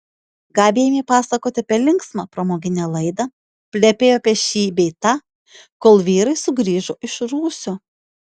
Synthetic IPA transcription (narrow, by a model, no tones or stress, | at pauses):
ɡɑːbʲeːjmʲiːpɑːsɐkoːt̪ʲɪɐpʲɛlʲɪŋksmɑpɾɐmoːɡʲɪnʲɛlˠɐɪd̪ɐ | pʲlʲɛpʲeːjoːɐpʲɛʃʲiːbʲɛɪt̪ɑː | koːlˠʋʲiːɾɐɪsʊɡɾʲiːʒoːʔɪʃɾuːsʲoː